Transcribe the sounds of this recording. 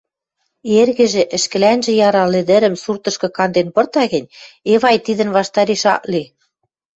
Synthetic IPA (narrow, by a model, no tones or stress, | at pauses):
erɣɘ̆ʒĕʔɘ̆ʃkɘ̆lænʒĕjɑɾɑlĕd̪ɘ̆ɾə̆msurt̪ɤ̆ʃkɤ̆kɑnd̪enpɤ̆rt̪ɑɣɘ̆nʲeβɑjt̪id̪ə̆nβɑʃt̪ɑɾiʃɑ̰ʔli